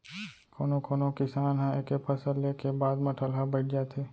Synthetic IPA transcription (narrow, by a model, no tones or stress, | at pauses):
koːnõkoːnõkɪsaːnɦãekepʰəsəllekebaːd̪mə̃ʈʰəlɦãbəɪʈ̚ʰd͡ʒaːt̪ʰeː